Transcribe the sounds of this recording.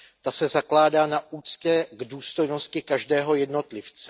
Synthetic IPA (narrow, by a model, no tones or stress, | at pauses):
t̪asɛzaklaːdaːnaʔuːt͡scɛɡduːst̪o̞jno̞scɪkaʒdɛːɦo̞jɛdno̞t̪lɪft͡sɛ